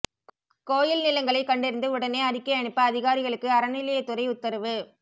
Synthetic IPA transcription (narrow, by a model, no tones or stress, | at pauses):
koːjɪlnɪlɐŋɡɐɭɐɪkːɐɳɖɪɾɯnd̪ɯʊɽɐneːɐɾɪkːɐɐɳɯpːɐɐðɪɣaːɾɪɣɐɭɯkːɯɐɾɐnɪlɐjɐt̪ːɯɾɐɪʊt̪ːɐɾɐʋɯ